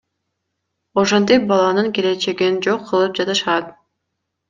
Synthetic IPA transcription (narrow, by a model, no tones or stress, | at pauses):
oʃont̪̬ip̚bɑlˠɑnɯŋke̞le̞t͡ʃe̞ɡind͡ʒo̞qʰːɯlˠɯp̚d͡ʒɑt̪ɯʃɑt̪̚